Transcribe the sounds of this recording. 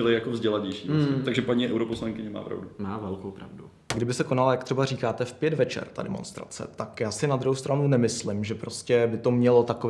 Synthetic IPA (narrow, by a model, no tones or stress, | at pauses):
ɪlɪjakovzɟɛlaɲɛjʃiːvst̪aɡʒɛpaɲiːʔɛwɾoposlaŋkɪɲɛma̰ːpɾa̰vdumaːvɛlkowpɾavdu | ɡdɪbɪsɛkonalajak̚t̪r̥ɛbar̝iːkaːt̪ɛfpjɛdvɛt͡ʃɛ̰rt̪a̰dɛ̰monst̪ɾa̰t͡sɛ̰t̪akjaːsɪnad̪ɾuɦowst̪ɾanunɛmɪslɪmʒɛpɾoscɛbɪt̪o̞mɲɛlot̪akov